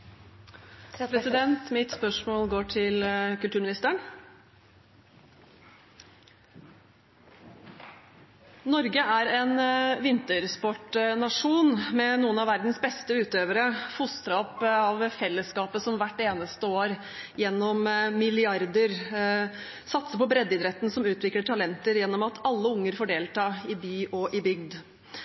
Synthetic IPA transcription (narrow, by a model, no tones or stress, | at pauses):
pʰɾɛsɪd̪ɛnt̪mɪt̪spœʂmoːlɡoːʈʰɪlkʉlt̪ʉːmɪnɪst̪əəɳ | nɔɾɡəʔæɾenʋɪnt̪əɾspɔʈnɑʂuːnmɛnuːənɑʋæɾd̪n̩sbɛst̪əʉːt̪øːʋəɾəfʊst̪ɾɑɔpːɑʋfɛlːəskɑːpəsɔmʋæʈːeːnəst̪əoːɾ | jɛnːɔmmɪlɪɑɾd̪əɾ | sɑt̪səpɔbɾɛd̪ːɪd̪ɾɛt̪n̩sɔmʉːt̪ʰʋɪkləʈʰɑlɛnt̪əɾjɛnːɔmɑt̪ʰɑlːəʊŋːəɾfɔɖeːlt̪ʰɑːɪbyːʔɔʔɪbʏɡd̪